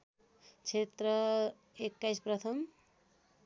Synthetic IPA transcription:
t͡ʃʰet̪ɾʌ | ekːajspɾʌt̪ʰʌm

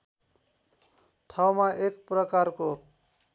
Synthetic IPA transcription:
t̪ʰawmaʔekprʌkarko

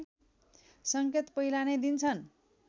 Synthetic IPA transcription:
sʌŋket̪pʌilaned̪int͡sʰʌn

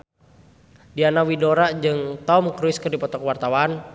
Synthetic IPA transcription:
dianawidoɾad͡ʒɨŋt̪ɔmkɾuiskərdipɔt̪ɔkwart̪awan

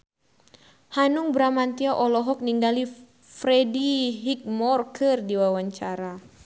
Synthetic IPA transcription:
hanʊŋbɾamant̪iaʔɔlɔɦɔk̚niŋɡali | fɾediɦik̚mɔrkʰərdiwawaɲt͡ʃaɾa

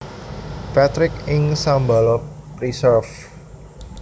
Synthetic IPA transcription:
pat̪ɾɪkɪŋsambalɔpɾisərf

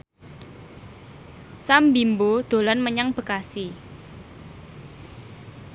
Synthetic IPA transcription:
sambimbod̪̥o̤lanməɲaŋb̥ə̤kasi

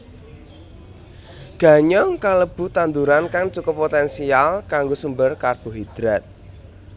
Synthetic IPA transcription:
ɡ̥ä̤ɲɔŋkaləb̥ṳt̪and̪uɾankaŋt͡ʃukɔpot̪ɛnsialkaŋɡosumbərkarb̥o̤ɦid̪̥ɾat̪̚

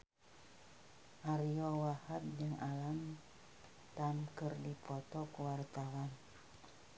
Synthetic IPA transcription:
ʔaɾiɔwahab̪̚d͡ʒɨŋalam | t̪amkərdipɔt̪ɔkuwart̪awan

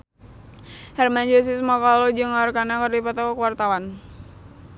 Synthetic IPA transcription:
hɛrmaɲd͡ʒɔs̬ismaklɔd͡ʒɨŋarkanakɨrdipat̪ɔkɔkəwart̪awan

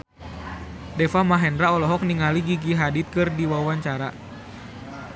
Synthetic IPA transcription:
dɛfamaɦɛndɾaɔlɔɦɔk̚niŋaliɡiɡiɦadit̪̚kɨrdiwawaɲt͡ʃaɾa

